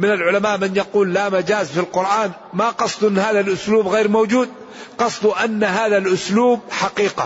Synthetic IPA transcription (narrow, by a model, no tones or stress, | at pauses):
mɪnalʕʊlamaːʔmɪnjɑquːlːamad͡ʒaːzfilqʊɾʔaːn | maqɑsˤd̪ˤʔɪnːhaːðalʔʊsluːbɣejɾmowd͡ʒuːd̪̚ | qɑsˤd̪uʔanːaɦaːðalʔʊsluːb̚ħaqiːqa